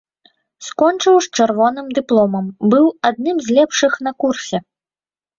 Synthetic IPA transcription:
skɔnt͡ʂɨwst͡ʂɛrvɔnɨmd̪ɨplˠɔmɐmbɨwad̪̚nɨmzʲlʲɛpʂɨxnɐkursʲɛ

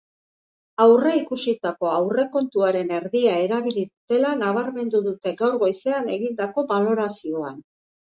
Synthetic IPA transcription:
awreikusit̪ako̞awre̞ko̞nt̪uaɾe̞ne̞ɾðiae̞ɾaβ̞iliðut̪e̞lanaβ̞aɾme̞nd̪uðut̪e̞ɡawɾɣo̞jse̞ane̞ɣind̪ako̞βalo̞ɾasio̞an

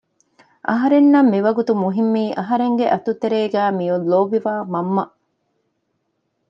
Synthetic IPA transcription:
ʔɐɦɐɾenːɐmːiʋɐɡut̪umuɦimːiːʔɐɦɐɾeŋɡeʔɐt̪ut̪eɾeːɡæːmijulːoːbiʋaːmɐmːɐ

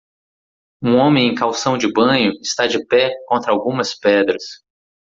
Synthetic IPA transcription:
ũõmẽj̃ẽj̃kawsɐ̃w̃d͡ʒɪbɐ̃ɲʊɪst̪ad͡ʒɪpɛkõnt̪ɾɐawɡũmɐspɛd̪ɾɐs

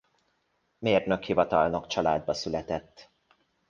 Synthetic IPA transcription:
meːrnøkhivɒt̪ɒlnokt͡ʃɒlaːd̪̚bɒsylɛt̪ɛt̪ː

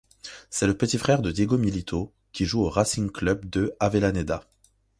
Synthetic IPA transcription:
sɛləpət̪ifχɛʁd̪əd̪ʲjeɡomilit̪ʰo | kʲiʒuoʁasiŋklœbd̪əavelaned̪a

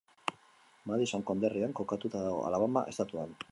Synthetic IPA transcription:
maðisoŋko̞nd̪eriaŋko̞kat̪ut̪aðaɣo̞̰a̰laβama̰ʔe̞st̪at̪uan

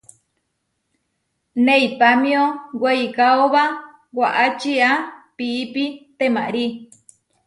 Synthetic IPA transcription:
nẽipamĩõweikaoβa | waʔat͡ʃiapiːpit̪emãʔɾi

